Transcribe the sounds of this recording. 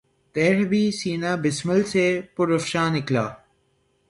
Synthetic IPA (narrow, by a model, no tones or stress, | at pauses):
t̪eːɾbʱiːsiːnaːbɪsməlsepʊɾɐfʃaːnɪkla̰ː